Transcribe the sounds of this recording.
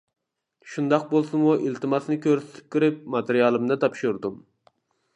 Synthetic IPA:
ʃund̪ɑq̚bolˠsunmuʔilt̪ʰɨmɑsnɨkʲʰøɾsɪ̥t̪ʰɪ̥p̚kʲiɾɪp̚mɑt̪eɾijɑlˠɨmd̪ɑt̪ʰɑpʃuɾd̪um

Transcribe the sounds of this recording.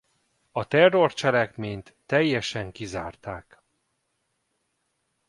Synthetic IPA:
ɒt̪ɛrːo̞rt͡ʃɛlɛkmeːɲt̪ːɛjːɛʃɛŋkiza̰ːrt̪aːk

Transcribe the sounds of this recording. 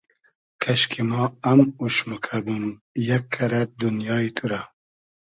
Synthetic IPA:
kʰɐʃkʰimɑːamuʃmukʰad̪umjakʰːɐɾad̪unjɑːit̪ʰuɾa

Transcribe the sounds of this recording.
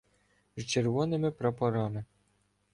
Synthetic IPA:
zt͡ʃerʋɔnɪmɪpɾɐpɐɾɑmɪ

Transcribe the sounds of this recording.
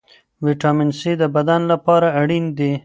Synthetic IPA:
wiʈɑmɪnsid̪əbad̪anlapɑɾaːɽind̪e

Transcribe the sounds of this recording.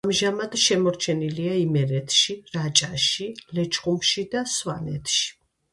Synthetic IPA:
amʒamad̪̥ʃɛmɔɾt͡ʃʰɛniliaimɛɾɛt̪ʰʃiɾat͡ʃʼaʃilɛt͡ʃʰχʼumʃid̪aswanɛ̰t̪ʰʃi̥

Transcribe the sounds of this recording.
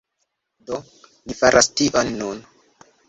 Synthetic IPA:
do | lifaɾʔastiʔonːun

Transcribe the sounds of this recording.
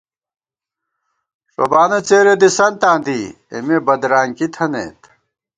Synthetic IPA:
ʂo̰baːnɐt͡seːɾed̪isɐnt̪ãːnd̪i | ḛmebɐd̪ɾaːŋkit̪ʰɐnḛt̪

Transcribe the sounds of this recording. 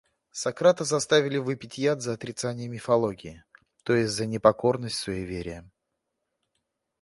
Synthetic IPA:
sɐkɾat̪əzɐst̪avʲɪlʲɪvɨpʲɪtʲjat̪zəːt̪ɾʲɪt̪sanʲɪjəmʲɪfɐlˠoɡʲɪː | t̪o̞jɪsʲtʲzənʲɪpɐko̞rnəsʲtʲsvəivʲeɾʲɪjə

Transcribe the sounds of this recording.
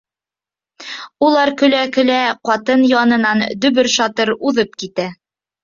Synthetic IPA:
ulˠɑɾkɵ̆lækɵ̆læqɑt̪ɤnjɑnɤ̆nɑnd̪ɵ̆βɵɾʃɑt̪ɤɾuðɤp̚kit̪æ

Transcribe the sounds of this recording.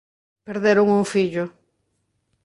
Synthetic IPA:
peɾðeɾʊŋuŋfiʎʊ

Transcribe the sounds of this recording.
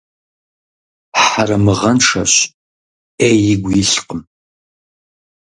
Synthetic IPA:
ħaɾɐmɨʁɐnʂɐɕ | eɪɡʷjiɬqəm

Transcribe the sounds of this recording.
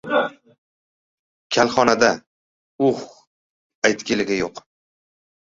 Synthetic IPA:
kʲʰalχɒnad̪a | uχ | ajt̪ɡʲelɪɡʲajoq

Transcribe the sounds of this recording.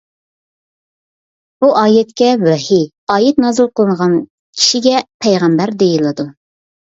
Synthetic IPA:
b̥uʔɑːjɛt̪kʲɛwæhi | ɑːjɛt̪̚nɑːzɨlˠqʰəlˠɨnʁɑn | kʲʰi̥ʃiɡʲɛpʰɛjʁæmbæɾd̪ejilˠɨd̪u

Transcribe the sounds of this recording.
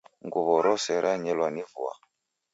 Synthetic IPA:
ŋɡuβɔɾɔsɛɾʔaɲɛlwanivṵa̰

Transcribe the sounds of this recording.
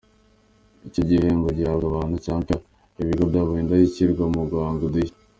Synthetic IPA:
icoɟiheŋɡoɟiaɡaβaːnhucaːŋka | iβiɡobɟaβuindajiciɾɡwamuɡwaːŋɡudi

